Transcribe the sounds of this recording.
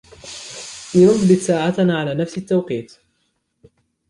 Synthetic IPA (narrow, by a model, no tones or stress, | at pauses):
ʔinʊðbɪt̪saːʕat̪ːʕalaːnafsɪt̪ːawqiːt̪